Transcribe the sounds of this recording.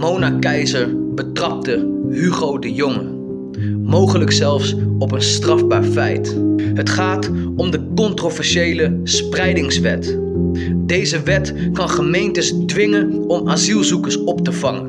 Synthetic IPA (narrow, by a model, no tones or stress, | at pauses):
mownakɛjzəɹbətrɑp̚təɦyχowdəjɔŋə | mowχələksɛlˠfsɔpənstrɑfbaːɹfɛ̰jtɦətχaːtɔmdəkɔntrovɛɹʃejləsprɛjdɪŋsʋɛ̰t | dejzəʋɛt | kɑnχəmejntəsdʋɪŋən | ɔmaːzilˠzukəɹsɔptəvɑŋən